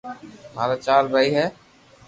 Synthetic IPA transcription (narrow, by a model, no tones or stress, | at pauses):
ma̰ːɾat͡ʃaːɾɾəɦiɦɛː